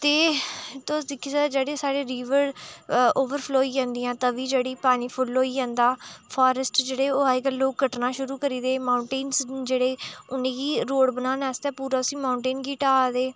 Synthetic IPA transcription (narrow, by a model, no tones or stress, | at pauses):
t̪eːt̪od̪ɪkʰːisad͡ʒeːɽeːsaːɽeːɾiːʋəɾ | oːʋəɾpʰloːiːd͡ʒãːnd̪iːãːt̪əʋiːd͡ʒeːɽiːpaːniːpʰʊloːiːãːnd̪aːpʰaːɾəsʈd͡ʒeːɽeːoːaːɪɡəlːoːk̚ɡːəʈnaːʃʊɾuːkəɾiːd̪eːmaːʊɳʈeːnsd͡ʒeːɽeːʊnẽːɡiːɾoːɽbənãːnɛːst̪ɛːpuːɾaːsĩːmaːʊɳʈeːnɡiːʈaːd̪eː